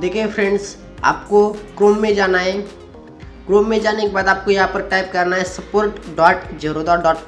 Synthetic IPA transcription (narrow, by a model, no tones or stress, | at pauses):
d̪eːkʰẽpʰɾɛ̃ɳɖs | a̰ːp̚koɡɾoːmːẽd͡ʒaːnaɦɛ̃ | kɾoːmːẽd͡ʒaːnekebaːd̪aːp̚kojɐɦãpɐɾʈaːɪp̚kɐɾnaɦɛsɐpoːɾʈɖɔːʈd͡ʒɐɾod̪ɔːɖɔːʈː